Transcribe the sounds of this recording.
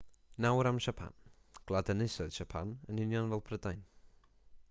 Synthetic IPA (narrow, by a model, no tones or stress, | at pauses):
nawɾamʃapʰa̰n | ɡ̥lˠadanɪsɔð̥ʃapʰanənɪnjɔnvɛlˠpʰrədajn